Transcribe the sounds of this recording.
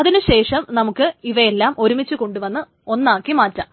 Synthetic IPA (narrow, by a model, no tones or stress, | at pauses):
ɐðinɨɕe̞ːʂɐmnɐmukːɨiʋɐelːaːmʔo̞ɾumit͡ɕːuko̞ɳɖuʋɐnːɨ | o̞nːaːkːimaːtːa